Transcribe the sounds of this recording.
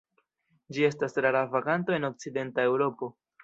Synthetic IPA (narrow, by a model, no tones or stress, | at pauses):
d͡ʒie̞stasɾaɾavaɡanto̞e̞no̞k̚t͡side̞ntae̞wɾo̞po̞